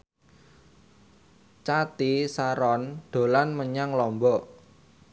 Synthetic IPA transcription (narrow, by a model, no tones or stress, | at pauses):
t͡ʃat̪isaɾɔnɖ̪̥o̤lanməɲaŋlɔmbɔ